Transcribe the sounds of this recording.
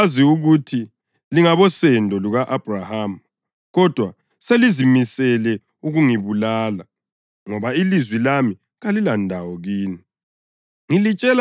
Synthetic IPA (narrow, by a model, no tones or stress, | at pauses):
ziuɣutʰi | liŋaβɔsɛndʱɔluɣaʔab̥raham | ɣɔd̥ʱwa | selizimisɛlɛ | uɣuŋiβulaːla | ŋɔβailizwilami | ɣalilandʱawɔɣiːni | ŋilit͡ʃʼɛl